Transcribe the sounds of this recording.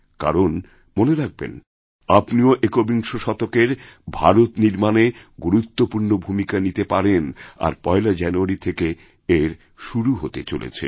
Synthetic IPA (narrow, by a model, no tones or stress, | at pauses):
ka̰ɾon | moneɾak̚bḛn | apnioʔekobiŋʃoʃɔt̪okeɾbʱaɾot̪niɾmaneɡuɾut̪ːopuɾnobʱumikanit̪epaɾena̰ɾpɔelad͡ʑɛnuaɾit̪ʰeke | eɾ | ʃuɾuɦot̪et͡ɕo̰lḛt͡ɕʰḛ